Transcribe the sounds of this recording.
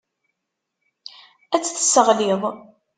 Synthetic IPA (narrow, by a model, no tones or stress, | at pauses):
æt͡sːθə̥sːəʁliðˤ